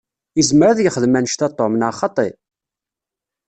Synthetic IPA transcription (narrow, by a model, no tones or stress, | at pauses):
izməɾaðjəχəðmænəʃt̪ɑt̪ˤːomənaχɑt̪ˤḛ